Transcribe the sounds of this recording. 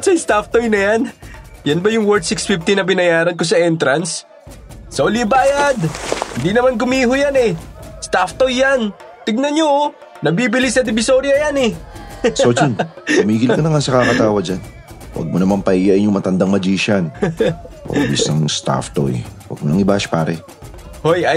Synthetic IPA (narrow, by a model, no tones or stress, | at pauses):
sɐjst̪aft̪ojnɐjanjɐnbɐjʊŋwɛɹd̪̚sɪksfɪft̪ɪnɐbɪnɐjaːɾɐnko̞sɐʔɛnt̪ɾɐnsː | ɐolibaːjɐd̪hɪnd̪inɐmankʊmiːhʊjanɛst̪aft̪ojːan | t̪ɪɡ̚nɐnɲoː | ɐbiːbɪlisɐd̪ɪbɪso̞ɾjɐjanɛsod͡ʒonʊmiːɡɪlkɐnɐŋasɐkakɐt̪aːwɐd̚d͡ʒan | wɐ̰ɡ̚monɐmanpɐʔijaʔɪɲʊŋmɐt̪ɐnd̪aŋmɐd͡ʒiːʃɐn | ʔo̰bḭsɐ̰ŋst̪a̰ft̪o̰jwɐ̰ɡ̚monɐŋɪbaʃpa̰ːɾɛ | hoja